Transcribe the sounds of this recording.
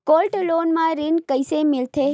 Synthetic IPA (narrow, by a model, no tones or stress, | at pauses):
kolʈlonmãɾinkəjsemɪlt̪ʰe